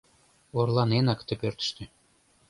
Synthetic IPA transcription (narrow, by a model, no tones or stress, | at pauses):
orlˠɑnenɑkt̪ɘ̆pʲørʲt̪ɘ̥̆ʃt̪ʲɘ̆